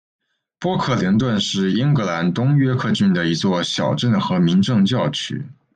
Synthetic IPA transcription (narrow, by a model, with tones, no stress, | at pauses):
pwɔ˥kʰɤ˥˩li˧˥nt̪wə˥˧nʂɻ̩˥˩i˥ŋkɤ˧˥la˧˥nt̪ʊ˥ŋɥɛ˥kʰɤ˥˧t͡ɕy˥˩nd̪ə˩i˧˥t͡swɔ˥˩ɕjɑ˨˩ʊʈ͡ʂə˥˩nxɤ˧˥mi˧˥nʈ͡ʂɤ˥˧ŋt͡ɕjɑ˥˩ʊt͡ɕʰy̰˥